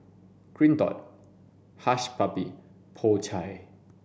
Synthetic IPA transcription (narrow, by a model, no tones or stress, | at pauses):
kɾint̪ɔ̰t̪̚ | haʃpapi | pʰoːt͡ɕʰaj